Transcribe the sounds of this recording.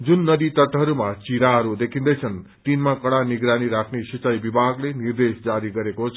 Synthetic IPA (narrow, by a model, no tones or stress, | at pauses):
d͡zunːʌd̪it̪ʌʈɦʌɾumat͡siɾaɦʌɾud̪ekʰind̪ʌjt͡sʰʌnt̪inmakʌɽaniɡɾaniɾakʰnesit͡sajbibʱaɡlenird̪esd͡zaɾiɡʌɾekot͡sʰ